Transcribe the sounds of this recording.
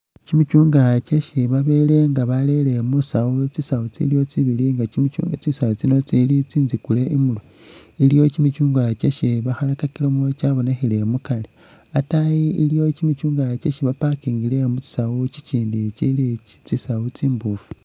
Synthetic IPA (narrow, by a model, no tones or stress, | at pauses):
cimit͡ʃuːŋɡat͡ʃeʃiβaβe̞ːle̞ŋɡaβale̞le̞musawut͡sisawut͡sḭljo̞t͡siβiliŋɡaimit͡ʃṵŋat͡sisawot͡sino̞t͡silit͡siːnzikule̞ʔimulo | ilijo̞cimit͡ʃuːŋɡat͡ʃeʃiβaxalakakilomot͡ʃaβo̞nexile̞mukale | atajiilijo̞cimit͡ʃuːŋɡat͡ʃeʃiβapakiːŋɡile̞mut͡si̥sawut͡ʃit͡ʃiːndit͡ʃilit͡sisawut͡siːmbufu̥